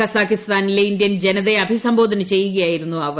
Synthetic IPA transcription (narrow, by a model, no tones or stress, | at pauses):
ɐsaːkist̪aːnileindjɐnd͡ʑenɐðe̞ɐbʱisɐmbo̞ːd̪ʱɐnɐt͡ɕe̞jːuɣɐjaːjiɾunːuɐʋ